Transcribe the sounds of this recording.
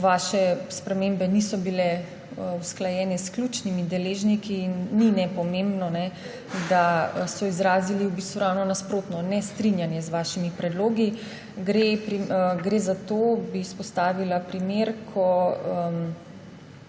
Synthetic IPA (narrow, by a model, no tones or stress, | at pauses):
ʋaːʃɛspɾɛmembɛnisɔbilɛ | usklajɛːnɛsklʲut͡ʃnimid̪ɛleːʒnikiːnːinɛpɔmẽmbnɔnɛ | d̪asɔizɾaːziliubist̪ʋuɾawnɔnaspɾoːt̪nɔnɛst̪ɾinjanjɛzʋaːʃimipɾɛd̪loːɡi | ɡɾepɾiɡɾezat̪oːbiːspɔst̪aːʋilapɾimeɾkʰɔəm